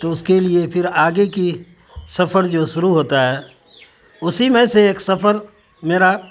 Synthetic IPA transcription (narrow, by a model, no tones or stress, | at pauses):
t̪oʊskeliepʰɪɾaːɡeki | sɐpəɾd͡ʒoːʃʊɾuɦoːt̪aɦɛː | ʊsimẽseeːksɐpəɾ | meːɾa